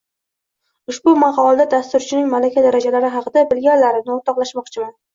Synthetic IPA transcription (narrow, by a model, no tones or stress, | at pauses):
ʊʃbʊmaqɑɒlˠd̪ad̪ast̪ʊɾt͡ʃʰɪnɪŋmalakʲʰad̪aɾad͡ʒalaɾɪɦɑqʰɨd̪abɪlɡʲanlaɾɪnɪoɾt̪ʰɒqlˠaʃmɒqt͡ʃʰɪman